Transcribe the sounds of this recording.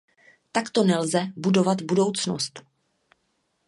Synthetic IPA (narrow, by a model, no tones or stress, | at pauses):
t̪akt̪o̞nɛlzɛbudo̞vat̪budo̞wt͡sno̰st̪